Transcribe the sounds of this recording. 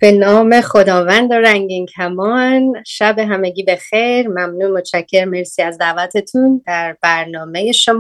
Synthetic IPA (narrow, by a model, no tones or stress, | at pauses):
b̥e̞nɒːme̞χo̞d̪ɒːvænd̪oɾæŋɟincʰæmɒnʃæbe̞ɦæmeɟiːbe̞xejɾmæmnuːnmot̪t͡ʃʰæcʰːe̞ɾme̞ɾsiːæzd̪æːvæt̪ʰe̞t̪ʰund̪æɾbæɾnɒːme̞je̞ʃomː